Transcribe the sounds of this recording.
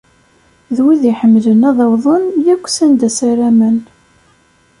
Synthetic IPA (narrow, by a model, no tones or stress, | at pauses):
ðwiðiħəmːlənæðˤɑwðˤənjækʷːsænd̪æsæɾæmæn